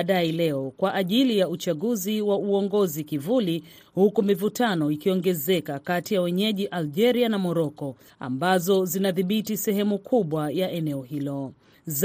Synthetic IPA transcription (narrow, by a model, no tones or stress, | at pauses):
ɗailɛɔkwaʔaʄilijaut͡ʃaɠuziwauɔŋɡɔzikivuli | hukumivutanɔikiɔŋɡɛzɛkakatijawɛɲɛʄiʔald͡ʒɛɾianamɔɾɔkɔ | a̰mbazɔzinaðiɓitisɛɦɛmukʰuɓwajaʔɛnɛɔhilɔ | z